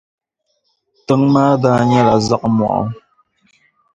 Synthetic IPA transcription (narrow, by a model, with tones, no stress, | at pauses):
tɨ˨˦ŋmaː˦daː˦ɲɛ˦la˨za˦ʔmwɔ̰˨ʔɔ̰˦